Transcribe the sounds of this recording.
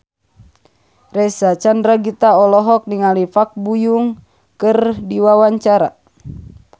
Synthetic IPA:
rɛsat͡ʃandɾaɡit̪aɔlɔɦɔk̚niŋalifak̚bujuŋ | kɨrdiwawaɲt͡ʃaɾa̰

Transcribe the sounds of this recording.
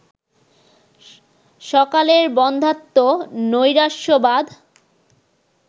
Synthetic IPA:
ʃɔkaleɾbɔnd̪ʱat̪ːonojɾaʃobad̪

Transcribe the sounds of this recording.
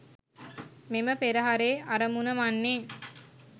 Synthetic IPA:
meməpeɾəɦaɾeːaɾəmunəmanːeː

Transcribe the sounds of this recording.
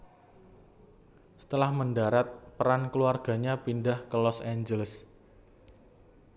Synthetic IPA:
sə̥t̪əlahməndaɾat̪̚pəɾankluarɡ̥a̤ɲapindahkəlɔsaɲd͡ʒələs

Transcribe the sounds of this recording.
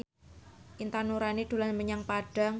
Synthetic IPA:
ʔint̪anuɾanid̪̥ṳlanməɲaŋpaɖ̥a̤ŋ

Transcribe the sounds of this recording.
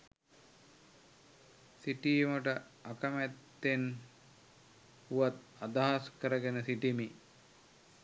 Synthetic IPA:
siʈijməʈə | akəmæt̪ːen | huʋat̪ | ad̪aɦaskəɾəɡənəsiʈimi

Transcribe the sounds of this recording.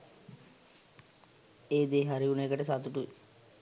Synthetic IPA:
eːd̪eːɦaɾiuneːkəʈəsat̪uʈuʋe

